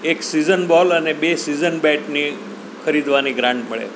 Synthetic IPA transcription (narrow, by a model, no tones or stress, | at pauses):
eksizənbɔlənebesizənbɛʈni | kʰəɾid̪ʋaniɡɾãɳʈməɭḛ